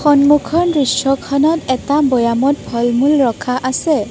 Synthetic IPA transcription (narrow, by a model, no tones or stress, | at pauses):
xɔnmukʰɔnɹisɔkʰɔnɔtɛtabɔjamɔt̚bʱɔlmulɹɔkʰaʔasɛ